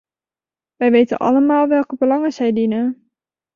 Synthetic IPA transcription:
ʋɛjʋejtə̰nʔɑ̰ləmaːlˠʋɛlˠkəbəlɑŋəsɛjdinən

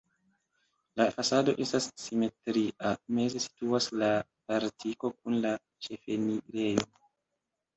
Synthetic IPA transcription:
lafasado̞ʔe̞stasːime̞tɾiʔame̞ze̞si̥tuaslapaɾtʰiko̞kunla | t͡ʃe̞fe̞niɾe̞jo

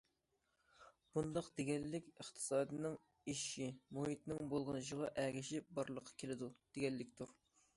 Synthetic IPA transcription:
b̥und̪ɑqd̪eɡʲɛlːɪkʲəχt̪ʰɨ̥sɑːd̪ɨnɨŋ | iʃimoɦit̪nɪŋbolˠʁnɨʃəʁɑʔɛɡʲɪʃɪp̚bɑɾlˠəqʰːɑ̥kʲʰelɪd̪ud̪̥eɡʲɛlːɪkʲt̪ʰuɾ

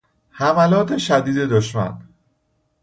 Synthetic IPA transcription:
hæmælɒːt̪ʰeʃæd̪iːd̪e̞d̪oʃmæ̰n

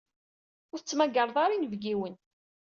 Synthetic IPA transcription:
ʊɾθət͡sːmæɡəɾˤðˤɑɾinəvɡiwən

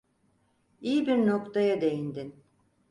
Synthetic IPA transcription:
ijibiɾnokt̪ajad̪ejind̪in

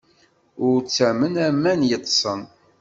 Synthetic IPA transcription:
ʊɾt͡sːæmənæmːænjət̪ˤːsˤən

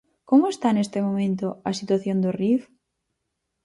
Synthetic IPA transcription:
komoest̪anest̪ɪmomẽnt̪ʊɐsit̪waθjond̪ʊrif

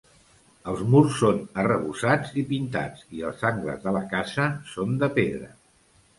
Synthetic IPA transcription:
əlˠzmursːonərəβusad͡zipint̪a̰d͡ziə̰lˠzaŋɡlə̰zðələkazəsond̪əpeðɾə̰

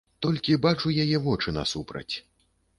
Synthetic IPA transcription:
t̪ɔlʲkʲibat͡ʂujajɛvɔt͡ʂɨnɐ̰supɾɐ̰t͡sʲ

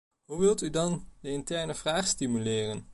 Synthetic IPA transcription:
ɦuʋɪlˠtydɑndəɪntɛɹnəv̥raːχstimylɪːrən

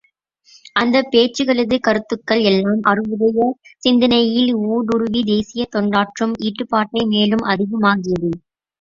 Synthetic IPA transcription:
ʔɐnd̪ɐpːeːt͡ʃːɯɣɐɭɯðɯkɐɾɯt̪ːɯkːɐɭɛlːaːmʔɐrɯʋɯðɐjɐsɪnd̪ɪnɐjɪluːɽʊɾʊʋid̪eːsɪjɐt̪ɔɳɖaːʈrɯmiːʈːɯpːaːʈːɐɪmeːlɯmʔɐðɪɣɐmaːɣɪjɐðɯ

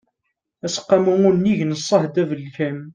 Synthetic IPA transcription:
æsə̥qːɑmuŋunːiʝnəsˤːɑhd̪ævəlçæm

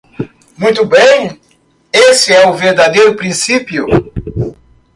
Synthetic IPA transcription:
mũj̃t̪ʊbẽj̃ | esɪɛʊveɾd̪ad̪ejɾʊpɾĩsipjʊ

